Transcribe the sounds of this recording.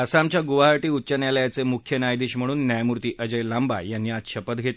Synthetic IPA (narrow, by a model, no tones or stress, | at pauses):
əsamt͡ɕjaɡuʋaɦaɾʈiːutːt͡ɕənjaljat͡semukʰjənjajd̪iːɕm̤əɽ̃uːnːjajmuɾt̪iːʔəd͡ʑəjlamba̰janːiːat̪ɕəpət̪ɡʱet̪